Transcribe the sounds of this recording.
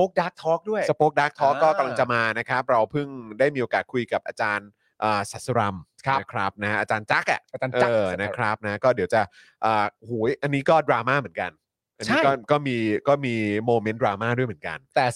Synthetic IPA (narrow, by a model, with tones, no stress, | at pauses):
poː˦˥k̚daː˦˥k̚t̪ʰɔː˦˥k̚du˥˩əjsa˧poː˦˥k̚daː˦˥k̚t̪ʰɔː˦˥kːɔː˥˩kːa˧mla˧ŋt͡ɕa˨˧˩maː˧na˦˥kʰɾa˦˥p̚ɾa˧wpʰɯ˥˩ŋdaː˥˩jmiː˧ʔoː˧kaː˨˩t̪kʰu˧jka˨˩p̚ʔaː˧t͡ɕaː˧n | ʔəː˨˩sa˨˩t̪sa˧ɾa˧mkʰkʰɾa˦˥p̚na˦˥a˦˥ʔaː˧t͡ɕaː˧nt͡ɕa˦˥k̚ʔa̰˨˩a˧t͡ɕaː˧ʔːna˦˥kʰɾa˦˥p̚na˦˥kɔː˥˩di˩˦wt͡ɕa˨˩ʔ | ʔɤː˨˩hu˩˦jʔa˧nːiː˦˥kɔː˥˩dɾaː˧maː˥˩mɯ˩˦ə˦nŋka̰˧n | ʔa˧nː˦˥˦kɔː˥˩kɔː˥˩miː˧kɔː˥˩miː˧moː˧me˦˥ndɾaː˧maː˥˩du˥˩jmɯ˩˦nka̰˧nt̪ɛː˨˩